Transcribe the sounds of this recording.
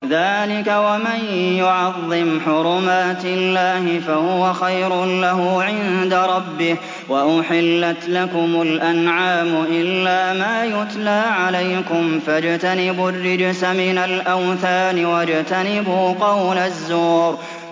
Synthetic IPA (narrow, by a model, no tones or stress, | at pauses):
ðaːlɪkawamanjʊʕɑðˤːɪmħʊɾˤʊmaːt̪ɪlːaːhɪfahʊwaxajɾʊlaɦʊʕɪnd̪aɾˤɑbːɪh | waʔʊħɪlːat̪lakʊmʊlʔanʕaːmʊʔɪlːaːmaːjʊt̪laːʕalajkʊmfad͡ʒt̪anɪbʊrːɪd͡ʒsamɪnalʔawθaːnɪwad͡ʒt̪anɪbuːqɑwlazːuːɾ